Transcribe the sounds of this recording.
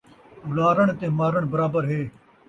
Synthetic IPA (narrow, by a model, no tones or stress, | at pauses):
ʊlaːɾəɳ̃t̪ẽːmaːɾəɽ̃bɐɾaːbəɾɦeː